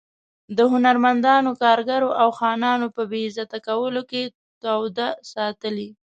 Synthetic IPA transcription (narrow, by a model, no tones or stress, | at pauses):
d̪əɦʊnaɾmand̪ɑnokɑɾɡaɾoʔawxɑnɑnopəbezat̪akawəloke | t̪awd̪asɑt̪əli